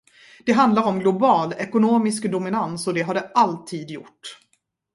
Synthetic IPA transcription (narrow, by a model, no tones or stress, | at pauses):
d̪̥ɛɦand̪laɾɔmɡlʊbɑːlɛkʊnoːmɪskd̪ʊmɪnansɔd̪ɛɦaɖɛalt̪ʰiːd̪jʊ̰ʈː